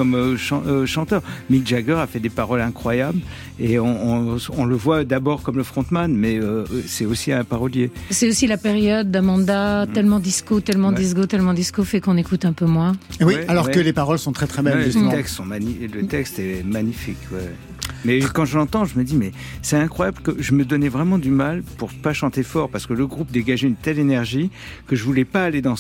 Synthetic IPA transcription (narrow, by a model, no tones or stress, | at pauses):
kɔmøʃɑ̃øʃɑ̃t̪œːʁmikʒaɡœʁafɛd̪epaʁɔlɛ̃kχwajabl | eɔ̃ɔ̃ləvwad̪abɔʁkɔmləfχɔ̃t̪manmɛøsɛosiɛ̃paʁɔljesɛosilapeʁjɔd̪ːɛ̃mɑ̃d̪at̪ɛlmɑ̃d̪iskot̪ɛlmɑ̃d̪iz̬ɡot̪ɛlmɑ̃d̪iskofɛkɔ̃nekut̪ɛ̃pømwɛ̃wiɛalɔʁɛkəlepaʁɔlsɔ̃t̪χɛt̪χɛbɛlət̪ɛkst̪sɔ̃manilət̪ɛkst̪ɛmaɲifikwɛ | mɛkɑ̃ʒəlɑ̃t̪ɑ̃ʒəməd̪imɛ | sɛt̪ɛ̃kχwajabləkəʒəməd̪ɔnɛvʁɛmɑ̃d̪ymalpuʁpaʃɑ̃t̪efɔʁpaʁsə̥kələɡʁup̚d̪eɡaʒeynt̪ɛlenɛʁʒi | kəʒəvulɛpaːled̪ɑ̃